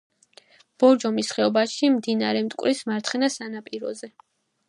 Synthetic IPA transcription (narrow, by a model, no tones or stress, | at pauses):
b̥ɔɾd͡ʒɔmisχɛɔbaʃimd̪inaɾɛmt̪ʼkʼwɾismaɾt̪ʰχɛnasanapʼiɾɔ̰zɛ